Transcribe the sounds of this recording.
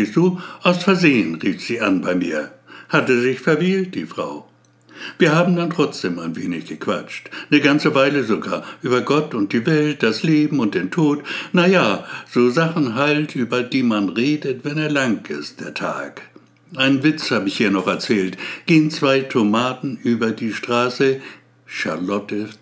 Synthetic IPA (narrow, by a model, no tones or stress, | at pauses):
sd̥uːʔaʊsfɛɐzeːənʁiːfz̥iːʔanbaɪmḭːɐhatəzɪçfɛɐviːlt̚d̥ḭːfʁ̥a̰ʊ | v̥iːɐhaːbm̩dantʁ̥ɔt͡sd̥eːmaɪnveːnɪçɡ̥əkʰv̥a̰t͡ʃtnəɡant͡səvaɪləzoɡa̰ːɐʔyːbɐɡɔtʊnt̚d̥iːvɛlt̚d̥asleːbm̩ʊnt̚d̥eːntʰoːtnajaːz̥oːzaχn̩ɦaltʔyːbɐdiːmanʁeːdətv̥ɛneːɐlaŋkɪ̰st̚d̥eːɐtʰa̰ːk | ʔaɪnənvɪt͡shaːbəɪçhiːɐnɔχɛɐt͡sɛːltɡ̥eːənt͡sv̥aɪtʰomaːtn̩ʔyːbɐdiːʃtʁ̥aːsə | ʃa̰lɔtə